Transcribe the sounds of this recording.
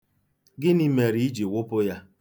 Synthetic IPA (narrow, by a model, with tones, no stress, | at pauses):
ɡɪ˦ni˦me˨ɾi˦i˦d͡ʒi˨wʊ˦pʊ˦ja˦